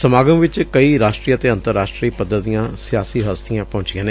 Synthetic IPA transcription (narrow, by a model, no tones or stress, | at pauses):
səmaːɡəmʋɪt͡ʃkəiːɾaːʃʈɾiːət̪eːə̃nt̪əɾːaːʃʈɾiːpəd̪ːəijãːsɪjaːsiːɦəst̪ijãːpɔ̃ːɲt͡ʃɪjãːneː